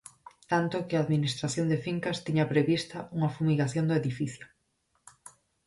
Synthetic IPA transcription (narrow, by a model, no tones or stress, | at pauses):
t̪ant̪ʊkɪaːðminist̪ɾaθjond̪ɪfiŋkast̪iɲɐpɾeβist̪ɐʔuŋɐfumiɣaθjond̪ʊeðifiθjo